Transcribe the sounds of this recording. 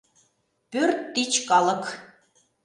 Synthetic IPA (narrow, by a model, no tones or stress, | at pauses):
pørt̪ːit͡ɕkɑlˠɤk